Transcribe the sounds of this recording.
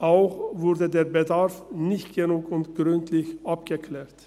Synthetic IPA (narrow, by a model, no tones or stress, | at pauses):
ʔaʊxvʊʁdədeːɐbədaʁfnɪçtɡ̥ənuːkʊntɡ̥ʁʏntʰlɪçʔapɡ̥əkʰlɛːɐt